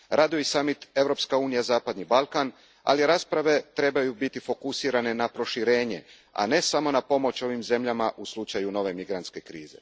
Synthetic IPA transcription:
ɾʔaːd̪ioisamit̪e̞vɾo̞pskauːnijazaːpad̪nibalˠkan | a̰liɾaːspɾaʋe̞t̪ɾe̞bajubit̪ifo̞kusiːɾane̞napɾo̞ʃiɾe̞ːɲe̞ | a̰ne̞samo̞napo̞mo̞t͡ʃo̞ʋimze̞mʎamaʔuslˠut͡ʃajuno̞ʋe̞miɡɾant̪ske̞kɾḭːze̞̰

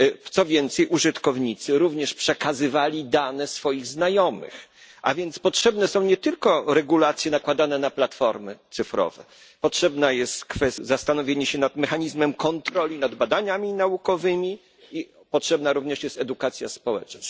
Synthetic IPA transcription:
t̪sɔvʲjɛnt̪sɛjʔuʐɘt̪kɔvɲit̪sɘɾuvɲɛʂpʂɛkazɘvalʲid̪anɛsfɔjiɣznajɔmɘ̰x | ʔa̰vʲjɛnt̪spɔtʂɛbnɛsɔ̃w̃ɲɛt̪ɘlkɔɾɛɡulat̪sʲjɛnakwad̪anɛnaplat̪fɔɾmɘt̪sɘfɾɔ̰vɛ̰ | pɔtʂɛbnajɛst̪kfɛszast̪anɔvʲjeɲɛɕɛnat̪mɛxaɲizmɛmkɔnt̪ɾɔlʲinad̪bad̪aɲamʲinaukɔvɘmʲi | i | pɔtʂɛbnaɾuvɲɛʂjɛst̪ɛd̪ukat̪sʲja̰spɔwɛ̰t͡ʂna

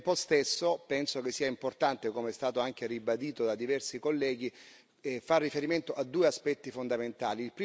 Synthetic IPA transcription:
pɔst̪esːopɛnsok̟esːiːaimport̪ant̪ekomeɛst̪aːt̪oaŋk̟eribad̪iːt̪od̪ad̪ivɛrsikolːɛːɡ̟i | farːifeɾiment̪oʔad̪ːuːeaspɛt̪ːifond̪ament̪aːliːlpɾiː

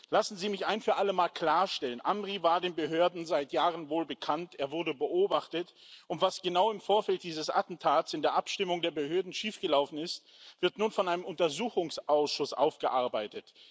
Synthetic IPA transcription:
lasn̩ziːmɪçaɪnfyːɐʔaləmaːlkl̥aːɐʃtɛlənʔamʁivaːɐdeːnbəɦøːɐdn̩zaɪtjaːʁənvoːlbəkʰanteːɐvʊɐdəbəʔoːbaχtətʊntv̥asɡ̥ənaʊɪmfoːɐfɛlt̚d̥iːzəsʔa̰tn̩tʰaːtsɪndeːɐʔapʃtɪmʊŋdeːɐbəɦøːɐdn̩ʃiːfɡ̥əlaʊfn̩ɪst | v̥ɪɐtnuːnfɔnʔaɪnəmʊntɐzuːxʊŋsʔaʊsʃʊsʔa̰ʊfɡ̥əʔaɐbaɪtət

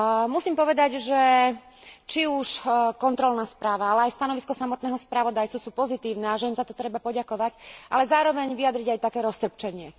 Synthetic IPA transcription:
musiːmpɔʋɛd̪aɟʒɛ | t͡ʃiuʃkɔnt̪ɾɔlnaːspɾaːʋaalɛajst̪anɔʋiskɔsamɔt̪nɛːɦɔspɾaʋɔd̪ajt͡susuːpɔzit̪iːʊnɛaʒɛiːmzat̪ɔt̪ɾɛbapɔɟakɔʋacʔa̰lɛzaːɾɔʋɛɲʋijad̪ɾiɟajt̪akɛːɾɔst̪r̩p̚t͡ʃɛɲɪɛ

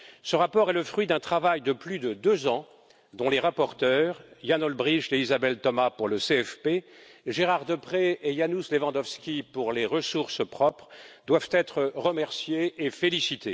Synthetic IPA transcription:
səʁapɔʁɛləfχɥid̪ɛ̃t̪χavajd̪əplyd̪əd̪øzɑ̃ | d̪ɔ̃leʁapɔʁt̪œːʁjanɔlbʁiʃeizabɛlt̪ɔmapuʁləseɛfpeʒeʁaʁd̪əpχeejanuslevɑ̃d̪ɔfskʲipuʁleʁəsuʁspχɔpχd̪wavt̪ɛt̪χəʁəmɛʁsjeːfelisit̪e

